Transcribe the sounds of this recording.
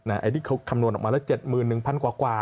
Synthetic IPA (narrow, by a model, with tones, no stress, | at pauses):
naː˦˥˩ʔa̰˧t̪ʰiː˥˩kʰa˦˥wkʰa˧mnu˧ənʔɔ˨˩maː˧lɛ˦˥wt͡ɕe˨˩t̪̚mɯː˨˩nːɯ˨˩ŋpʰa˧nkwaː˨˩kwaː˨˩